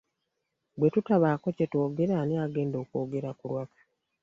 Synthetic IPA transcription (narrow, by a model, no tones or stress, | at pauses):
bwe̞tutaβaːko̞ceto̞ːɡeɾaːniaːɡe̞ːndo̞ːko̞ːɡe̞ɾakulwakḁ